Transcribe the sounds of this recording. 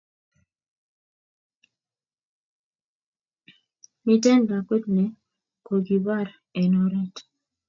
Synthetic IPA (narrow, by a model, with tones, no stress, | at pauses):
mi˦tɛ˦nɡa˨ko˦tnɛ˨ | ko˨ɡi˨ba˦ɾ | ɛ˨nɔ˦ɾɛ˦t